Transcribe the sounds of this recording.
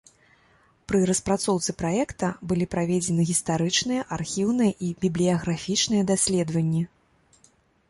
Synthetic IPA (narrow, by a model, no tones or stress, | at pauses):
pɾɨɾɐspɾat̪sɔwt̪sɨpɾajɛkt̪ɐbɨlʲipɾavʲed͡zʲɛnɨɣʲist̪aɾɨt͡ʂnɨjɐʔarxʲiwnɨjɐʔibʲiblʲijɐɣɾafʲit͡ʂnɨjɐd̪asʲlʲɛd̪vɐnʲːi